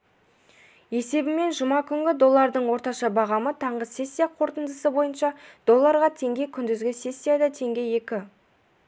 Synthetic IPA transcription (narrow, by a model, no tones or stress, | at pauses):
e̞se̞bɪme̞nʒʊmɑkʲʰʏŋɡʲɪd̪o̞lˠːɑɾd̪əɴwo̞ɾt̪ɑʃɑbɑʁɑmət̪ʰɑɴʁəse̞sʲːijaqʰo̞ɾt̪ənd̪əsəbo̞jənʃɑd̪̥o̞lˠːɑɾʁɑt̪ʰe̞ŋɡʲe̞kʲʰʏnd̪ɪzɡʲɪse̞sʲːijad̪ɑt̪ʰe̞ŋɡʲe̞je̞kʲɪ